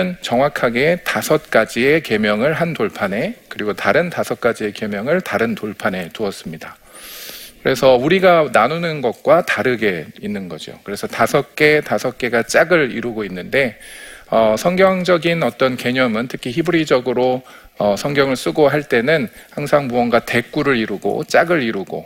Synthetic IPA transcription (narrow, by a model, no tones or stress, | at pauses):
ɯnt͡ɕʌŋwakʰaɡe̞tasʰʌt̚k͈ad͡ʑieke̞mjʌŋɯɭɦantoɭpʰane̞kɯɾiɡotaɾɯntasʰʌt̚k͈ad͡ʑie̞ke̞mjʌŋɯɭtaɾɯntoɭpʰane̞tuʌs͈ɯmɲida | kɯɾe̞sʰʌuɾiɡananonɯnɡʌt̚k͈wataɾɯɡe̞inːɯnɡʌd͡ʑio̰kɯɾe̞sʰʌtasʰʌk͈e̞tasʰʌk̚k͈e̞ɡat͡ɕ͈aɡɯɾḭɾuɡoinːɯnde̞ʌsʰʌŋɡjʌŋd͡ʑʌɡinʌt͈ʌnke̞ɲʌmɯntʰɯkʰiçibuɾid͡ʑʌɡɯɾo | ʌsʰʌŋɡjʌŋɯɭs͈uɡoɦaɭt͈e̞nɯnhaŋsʰaŋmuʌnɡwate̞k͈uɾɯɾiɾuɡo̰t͡ɕ͈aɡɯɾiɾuɡo̰